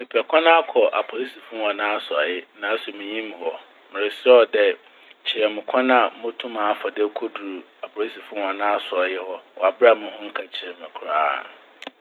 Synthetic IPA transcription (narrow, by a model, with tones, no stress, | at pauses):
mɪ̃˨pʰɛ˨kʷʰã˦nã˦a˦kʰɔ˨ʔa̰˨pʰɔ˨li˦si˨fʊ̃˦˨a˨nãː˦a˦sʊ˨a˨jɪ˦nã˨˦sʊ˨mɪ̃˨ɲĩ˦m˨hɔ˨ | mɪ̃˨ɾɪ˨sɛ˦ɔ˨dɛ˦ | t͡ɕʰɪ˨ɾɛ˨mɪ̃˨kʷʰã˦nã˨˦mʊ̃˦tʰʊ̃˦mã˨˦fa˨dɛ˦kʰo˦du˨u˨ | a˨pʰɔ˨li˦si˨fʊ̃˦˨a˨nãː˦a˦sʊ˨a˨jɪ˦hɔ˦ɔ˨a˨bɾa˦˨mʊ̃˦hʊ̃˦ŋ̩˦kʰa˨t͡ɕʰɪ˨ɾmɪ̃˨kʰʊ˨ɾa̰ː˦˨